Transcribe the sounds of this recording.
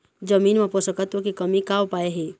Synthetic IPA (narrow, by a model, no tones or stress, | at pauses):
d͡ʒəmiːnmẽposəkət̪wəkikɐmikaːʋpaːeɦeː